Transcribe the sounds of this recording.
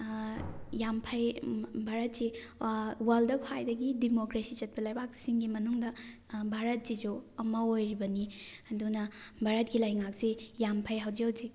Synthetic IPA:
jampʰɐjbʱaɾɐt̚si | waldɐkʰajdɐɡidimokɾesit͡ʃɐt̚pɐlɐjbak̚siŋɡimɐnuŋdɐ | bʱaɾɐt̚sid͡ʒuɐmɐojɾibɐniɐdunɐbʱaɾɐt̚ɡilɐjŋak̚sejampʰɐjɦawzihawzik

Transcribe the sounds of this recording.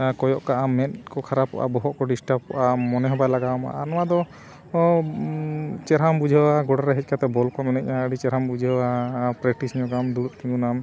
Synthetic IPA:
kɔjɔʔkaʔamɛt̪kɔkʰaɾapːɔ̰ʔa̰bɔɦɔʔkɔɖisʈap̚kɔʔamɔnɛɦɔbajlaɡawma̰ʔanɔwad̪ɔ | t͡ʃɛɾambud͡ʒʱwaɡɔɽaɾɛɦɛc̚kʰat̪ɛbɔlkɔnɔnɛc̚ɲaəɖit͡ʃɛɾɦambud͡ʒʱwapɾɛk̚ʈisɲɔɡamd̪uuʔt̪iŋɡunam

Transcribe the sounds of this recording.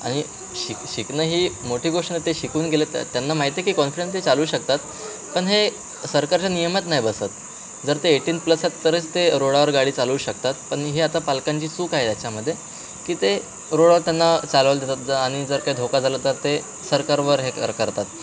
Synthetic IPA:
aɽ̃i | ɕikɕiknəɦiːmoʈʰiːɡoʂʈnet̪eɕikuːnɡelet̪t̪janːamaɦit̪ekiːkɔnfiɽẽnst̪et͡saluːɕək̚t̪at̪ | pəɳɦe | səɾkaɾt͡ɕjanijəmət̪naɦjbəsət̪̚ | d͡zəɾt̪eːʈiːnpləsat̪ːəɾet͡st̪eɾoɽaʋəɾɡaɽiːt͡saluːɕək̚t̪at̪̚pəɳɦeat̪apalkaɲt͡ɕiːt͡suːkaɦet̪jat͡ɕaməd̪ʱːje | kiːt̪e | ɾoɽaʋəɾt̪janːat͡salʋəld̪ʱet̪at̪̚d͡zəaɽ̃id͡zəɾkaɦid̪ʱokad͡zʱalət̪əɾt̪e | səɾkaɾʋəɾɦekə̰ɾkəɾt̪at̪̚

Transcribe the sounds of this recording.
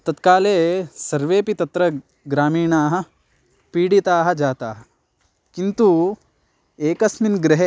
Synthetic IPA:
t̪ɐt̪kaːleːsɐɾʋeːpit̪ɐt̪ɾɐ | ɡɾaːmiːɳaːɦɐ̆ | piːɽit̪aːɦɐ̆d͡ʒaːt̪aːɦɐ | kint̪u | eːkɐsminɡɾɪɦe

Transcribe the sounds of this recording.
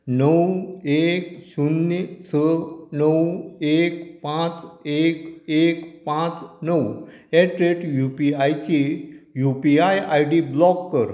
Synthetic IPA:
nəwekɕunːsənəwekpãt͡sekekpãt͡snəwɛʈɾeʈjupiajt͡ɕijupiajajɖiblɔkːəɾ

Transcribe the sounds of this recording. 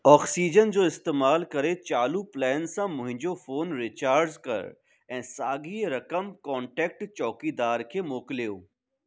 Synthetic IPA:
ɔːksiːd͡ʑənd͡ʑoːɪst̪eːmaːlkɐɾet͡ʃaːluplɛːnsãmʊ̃ɦɪ̃ɲd͡ʑofoːnɾɪt͡ʃaːɾzkɐ̰ɾ | ɛ̃ːsaːɡiːɾɐkəmkɔːɳʈɛːk̚ʈt͡ʃɔːkid̪aːɾkʰemoːkljo̰ː

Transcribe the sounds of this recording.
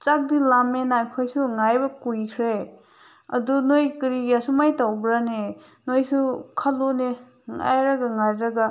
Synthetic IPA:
t͡ʃak̚dilamenajkʰojsuŋajbɐkujkʰɾe | ɐ̰dunojkiɾiɡiasumajtawbɾane | nojsukʰalone | ŋa̰jɾaɡaŋajɾaɡa

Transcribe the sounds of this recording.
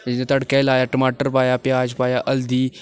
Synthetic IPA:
nt̪ɐɽkelaːjaːʈəmaːʈəɾpaːjaːpjaːd͡ʒpaːjaʔɐld̪iː

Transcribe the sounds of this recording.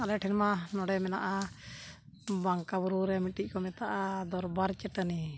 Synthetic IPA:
alɛʈʰɛnmanɔɽɛmɛnaʔa | baŋkabuɾuɾɛmiʈiʔ̚kɔmɛt̪aʔad̪ɔɾbaɾt͡ʃɛʈəni

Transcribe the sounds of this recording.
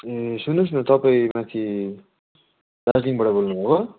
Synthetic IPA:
esunos̬nʌt̪ʌpaĩmãt̪ʰi | ɾasliŋbʌɽabolnubʱõɡʌ

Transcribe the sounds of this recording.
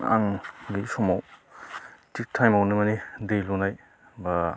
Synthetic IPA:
a̰ŋbisɔmaw | tik̚tʰajmawnɯmɐnidejlunaj | ba

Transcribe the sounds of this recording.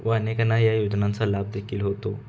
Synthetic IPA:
ʋəənekənajajod͡ʑnãnt͡salab̚d̪ekʰiːlɦot̪o

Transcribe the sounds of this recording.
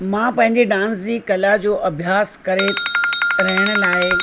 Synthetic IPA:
mãpɐ̃ɦɪ̃ɲd͡ʑeɖãːnsd͡ʑiːkɐlad͡ʑoːʔɐbʱjaːskɐɾe | ɾɐɦɪɽ̃ʊ̆laːɪ

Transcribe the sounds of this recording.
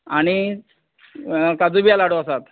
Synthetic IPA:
aɽ̃i | kad͡zubijalaɽoasat̪

